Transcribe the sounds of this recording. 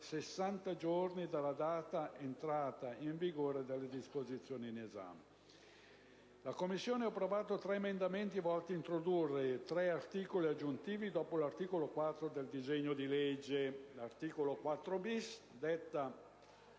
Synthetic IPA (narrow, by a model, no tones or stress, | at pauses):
sesːant̪ad͡ʒornid̪alːad̪aːt̪aʔent̪ɾaːt̪aiɱviɡoːɾed̪elːed̪ispozit̪sːjoːniːneza̰me | lakomːisːjoːneapːɾovaːt̪ot̪ɾɛemend̪ament̪ivɔlt̪iːnt̪ɾod̪urːet̪ɾɛart̪iːkoliad͡ʒːunt̪iːvid̪ɔːpolart̪iːkolokwat̪ːɾod̪eld̪izeɲːod̪iled͡ʒːelart̪iːkolokwat̪ːɾobis | d̪et̪ːa